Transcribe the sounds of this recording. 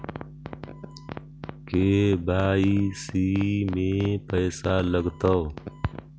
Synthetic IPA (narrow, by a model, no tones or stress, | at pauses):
keːbaːiːsiːmeːpəjsaːləɡt̪əː